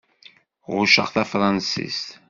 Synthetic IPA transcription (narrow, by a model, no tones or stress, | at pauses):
ʁʊʃə̰ʁθæfɾˤɑnsḭst̪